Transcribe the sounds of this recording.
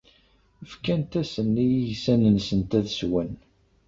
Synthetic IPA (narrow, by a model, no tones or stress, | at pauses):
əfkænt̪æsənːijisænənsənt̪æðswən